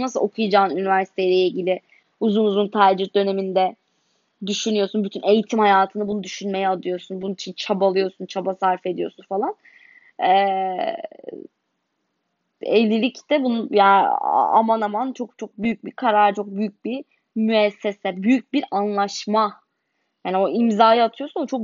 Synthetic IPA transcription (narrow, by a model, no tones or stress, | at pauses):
nasɯlˠʔo̞kʰujad͡ʒaːnynivæɾsi̥t̪ʰejlʲeiɟilʲɪ | uzunuzunt̪ʰaːd͡ʒɯɾ̚d̪ø̞ne̞mind̪ɛ | d̪yʃynyjo̞ɾsunbyt̪ʰyne̞jit̪ʰimhajaːt̪ʰɯnɯbunud̪yʃynme̞jɛad̪ˠɯjo̞ɾsunbununit͡ʃʰint͡ʃʰabalˠɯjo̞ɾsunt͡ʃʰabasaɾfe̞d̪ijo̞̰ɾsunfalˠan | ɛ | elʲːilʲict̪ɛbunuja̰a̰manamant͡ʃʰo̞k̚t͡ʃʰo̞k̚byjyc̚bikʰaɾaɾt͡ʃʰo̞k̚byjyc̚bi | myɛsːesɛbyjyc̚biɾanlˠaʃma | jaːnio̞imzaːjaat̪ʰɯjo̞sunot͡ʃʰo̞k̚